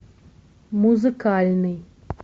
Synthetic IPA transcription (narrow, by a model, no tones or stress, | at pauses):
muzɨkːaːlni